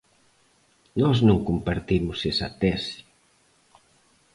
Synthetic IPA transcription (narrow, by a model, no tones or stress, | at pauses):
nɔznõŋkumpaɾt̪imʊsesa̰t̪ɛsi̥